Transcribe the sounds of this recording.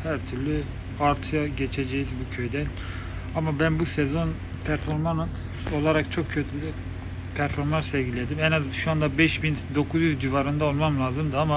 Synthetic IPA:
hæɾt̪ʰyɾlʲy | aɾt̪ʰɯjaɟet͡ʃʰed͡ʒejizbucʰø̞jd̪ɛn | amabænbusɛzo̞n | pʰæɾfo̞ɾman | o̞lˠaɾakt͡ʃʰo̞kcʰø̞t̪ʰyly | pʰæɾfo̞ɾmlanɾsɛvɟilʲːe̞d̪imɛnazʃuand̪abɛʃbind̪o̞kʰuzjyzd͡ʒivaɾɯnd̪ao̞lˠmamlˠaːzɯmd̪ɯama

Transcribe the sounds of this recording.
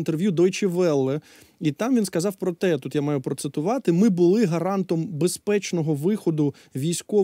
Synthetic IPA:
nt̪erʋʲjud̪ɔjt͡ʃɪʋɛlˠːɛ | it̪ɑmʋʲinskɐzɑwpɾɔt̪ɛt̪ut̪jamɑjʊpɾɔt̪sɪt̪ʊʋɑt̪ɪmɪbʊlˠɪɦɐɾɑnt̪ɔmbespɛt͡ʃnɔɦɔʋɪxɔd̪ʊ | ʋʲijsʲkɔ

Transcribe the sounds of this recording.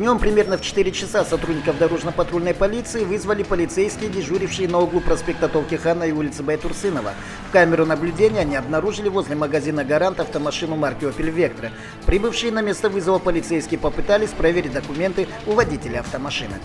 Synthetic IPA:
vnʲo̞mpɾʲɪmʲe̞rnəft͡ɕɪ̥t̪ɨɾʲɪt͡ɕɪsasɐt̪ɾudʲnʲɪkəfd̪ɐɾo̞ʐnəpɐt̪ɾo̞lʲnəjpɐlʲit̪sɨɪvɨzvəlʲɪpəlʲɪt̪sejskʲɪjədʲɪʐuɾʲɪfʂɨjənɐoɡlˠʊpɾɐspʲe̞k̚t̪ət̪olˠkʲɪxanəiulʲɪt̪sɨbɐjɪt̪ʊrsɨnəvə̰ | fkamʲɪɾʊnəblʲʉdʲenʲɪjəɐnʲiɐbnɐɾuʐɨlʲɪvozʲlʲɪməɡɐzʲinəɡɐɾant̪ɐft̪əmɐʂɨnʊmarkʲɪopʲɪlʲvʲek̚t̪ɾə | pɾʲibɨfʂɨjənɐmʲe̞st̪əvɨzəvəpəlʲɪt̪sejskʲɪjəpəpɨt̪alʲɪsʲpɾɐvʲeɾʲɪt̚ʲd̪əkʊmʲe̞nt̪ɨ | ʊvɐdʲitʲɪlʲɪɐft̪əmɐʂɨnɨ̰

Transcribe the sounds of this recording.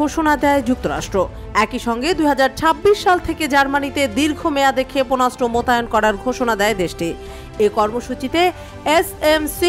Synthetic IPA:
oʃonad̪ɛed͡ʑuk̚t̪oɾa̰ʃʈɾo | ɛkiʃɔŋɡed̪ujɦad͡ʑaɾt͡ɕʰabːiʃːalt̪ʰeked͡ʑaɾmanit̪ed̪iɾɡʱomead̪ekʰeponasʈomot̪ajonkɔɾaɾɡʱoʃonad̪ɛed̪eʃʈi | ekɔɾmoʃut͡ɕit̪e | esemsi

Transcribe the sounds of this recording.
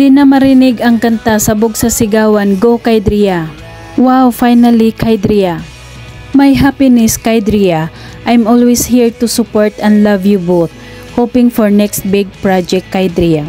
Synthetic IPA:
d̪ɪnamɐɾɪnɪɡɐŋkɐnt̪asɐbʊɡsɐsɪɡaːwɐnɡokajd̪ɾia | wawfajnɐlikʰajd̪ɾia | majɦapɪnɪskajd̪ɾia | ʔajmɔlwishiɹt̪ʊsʊpoɔɹt̪ɛ̃nd̪lavjuboθ̚ | hopɪ̃ŋfɔɹnɛkst̪̚bɪɡ̚pɹad͡ʒɛk̚kːajd̪ɾia

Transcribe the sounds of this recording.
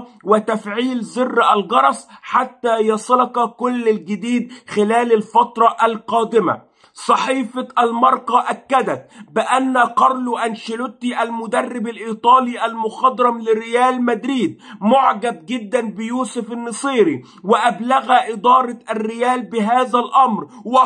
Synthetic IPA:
wɪt̪afʕiːlzɪrːʔalɣɑɾˤɑsˤħat̪ːaːjɑsˤɑlɑqɑkʊlːalɡɪd̪iːd̪̚xɪlæːlalfɑt̪ɾˤɑʔalqɑːd̪ɪma̰ | sˤɑħiːfɑʔalmɑɾˤʔɑʔakːad̪æt̪̚bɪʔanːaqɑɾˤlʔanʃɪlʊt̪ːiʔalmʊd̪ɑrːɪbalʔiːt̪ˤɑːliːʔalmʊxɑd̪ɾˤɑmlɪɾɪjæːlmad̪ɾiːd̪̚mʊʕɡab̚ɡɪd̪ːanbɪjuːsʊfanːɨsˤiːɾi | wɪʔablaɣaʔɪd̪ˤɑːɾˤɑʔarːɪjæːlbɪɦaːzalʔɑmɾw

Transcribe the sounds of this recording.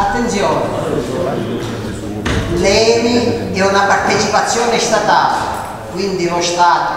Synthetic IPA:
at̪ːent̪sjɔːne | lɛːmiɛunapart̪et͡ʃipat̪sːjɔːnest̪at̪aːlḛ | kwind̪inost̪aːt̪ʊ

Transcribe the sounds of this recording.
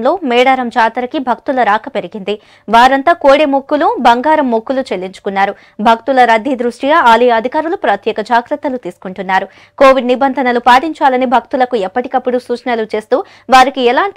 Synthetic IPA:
mlo̞ːmɛːɽaːɾɐmd͡ʒaːt̪ɐɾɐkibʱɐkt̪ulɐɾaːkɐpe̞ɾiɡind̪i | ʋaːɾɐnt̪aːkoːɽemokːulubɐŋɡaːɾɐmːokːulut͡ʃe̞lːiɲt͡ʃu̥kunːaːɾu | bʱɐkt̪ulɐɾɐd̪ʱid̪ɾuʂʈiɡaaːlɐjɐɐd̪ʱikaːɾulupɾɐt̪jɛːkɐd͡ʒaːɡɾɐt̪ːɐlut̪iːsu̥kuɳʈunːaːɾu | koːʋiɖnibɐnd̪ʱɐnɐlupaːʈiɲt͡ʃaːlɐnibʱɐk̚t̪ulɐkuɛpːɐʈi̥kɐpːuɽusuːt͡ʃɐnɐlut͡ʃe̞ːst̪uː | ʋaːɾikiɛlaːɳʈ

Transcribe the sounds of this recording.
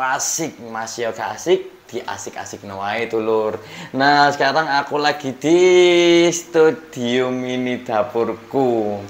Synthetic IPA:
asɪk̚masiɔkaasɪk̚d̪̥i̤ʔa̰sɪka̰sɪk̚nowait̪ulʊrnasə̥kaɾaŋakulaɡ̥i̤d̪̥i̤ | st̪ud̪̥i̤uminid̪̥a̤pʊrku

